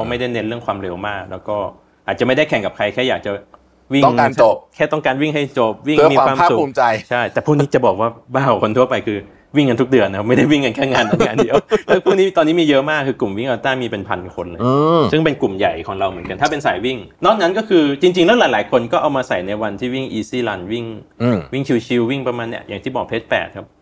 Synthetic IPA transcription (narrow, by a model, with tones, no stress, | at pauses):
a˧wma˥˩jda˥˩jne˦˥nɾɯ˥˩əŋkʰwaː˧mɾe˧wmaː˥˩k̚lɛ̰ː˦˥wkɔː˥˩ | aː˨˩t͡ɕa˨˩ma˥˩jda˥˩jkʰɛ˨˦ŋka˨˩p̚kʰa˧jkʰɛː˥˩jaː˨˩k̚t͡ɕa˨˩ | wi˥˩t̪ɔ˥˩kaː˧t͡ɕo˨˩p̚kʰɛː˥˩t̪ɔ˥˩ŋkaː˧nwi˥˩ŋɦa˥˩jt͡ɕo˨˩p̚wi˥˩ŋm˧iː˧a˨kwaː˧mʰassu˨˩uː˧˩mt͡ɕa˧jt͡ɕʰa˥˩jt̪ɛː˨˩pʰuː˥˩niː˦˥t͡ɕa˨˩bɔː˨˩k̚waː˥˩baː˥˩wkʰo˧nt̪ʰu˥˩ɐpa˧jkʰɯː˧ | wi˥˩ŋka˧nt̪ʰu˦˥k̚dɯ˧ənːa˦˥a˥m˥˩jda˥˩jwi˥˩ŋka˧nkʰɛː˥˩ŋaː˧nt̪ːʰaː˧ndi˧əwlɛ˦˥pʰu˥˩niː˦˥t̪ɔː˧nːi˦˥miː˧jəɤ˦˥ʔmaː˥˩kːɯː˧ku˨˩mwi˥˩ŋʔa˧˩t̪aː˥˩miː˧pe˧npʰa̰˧nkʰo˧nlɯː˧sɯ˥˩ŋpe˧nku˨˩mja˨˩jkʰɔː˩˦ŋɾa˧wmɯ˩˦nka˧nt̪a˥˩pe˧nsaː˩˦jwi˥˩ŋnɔː˥˩nna˦˥nkɔ˥˩kʰɯː˧t͡ɕi˧ŋt͡ɕi˧ŋlɛ˧˦˥wlaː˨˦jlaː˨˦jkʰo˧nkɔː˥˩ʔa˧wmaː˧sa˨˩jna˧jwa˧nt̪ʰiː˥˩wi˥˩ŋʔiː˧siː˥˩la˧nwi˥˩ŋ˧˩wi˥˩ŋt͡ɕʰi˧wt͡ɕʰi˧wːi˥˩ŋpɾa˧maː˧nːi˦˥ɐʔjaː˨˩ŋt̪ʰiː˥˩bɔː˨˩k̚pʰeː˦˥t̪̚pɛ̰ː˨˩kʰːa˦˥p̚